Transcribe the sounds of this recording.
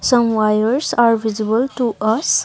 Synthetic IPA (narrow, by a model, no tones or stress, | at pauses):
sʌ̃mwajəɾsaɾʋizibəlʈuʌs